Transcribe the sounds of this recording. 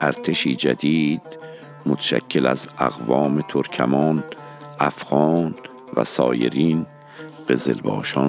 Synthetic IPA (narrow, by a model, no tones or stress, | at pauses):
ʔæɾt̪ʰeʃiːd͡ʒæd̪iːd̪̥ | mot̪ʰæ̥ʃæ̰cʰːelæzæ̰ɣvɒːmet̪ʰoɾcʰæ̰mɒːn | ʔæfɣɒːn | væ̰sɒːjḛɾiːn | ɢ̥e̞ze̞̰lbɒ̰ːʃɒ